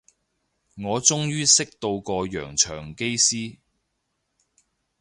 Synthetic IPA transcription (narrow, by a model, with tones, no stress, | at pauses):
ŋɔː˨˧t͡sʊ˥ŋjyː˥sɪ˥k̚t̪o˧wkɔː˧jœ̰ː˨˩ŋt͡ʃʰœ̰ː˨˩ŋke˥jsiː˥